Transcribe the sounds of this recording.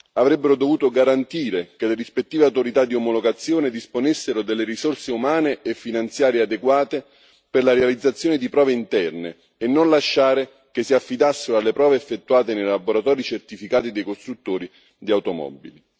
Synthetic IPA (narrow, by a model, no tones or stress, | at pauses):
avɾɛbːeɾod̪ovuːt̪oɡaɾant̪iːɾekeleɾispet̪ːiːveawt̪oɾit̪ad̪ːiomoloɡat̪sːjoːned̪isponesːeɾod̪elːeɾisorseumaːneʔefːinant̪sjaːɾjead̪eɡwaːt̪e | perlaɾealid̪zːat̪sːjoːned̪ipɾɔːveint̪ɛrneː | nːonlaʃːaːɾe | kesːiafːid̪asːeɾoalːepɾɔːveːfːet̪ːuaːt̪enejlaboɾat̪ɔːɾit͡ʃert̪ifikaːt̪id̪ejkost̪ɾut̪ːoːɾi | d̪iawt̪omɔ̰bḭli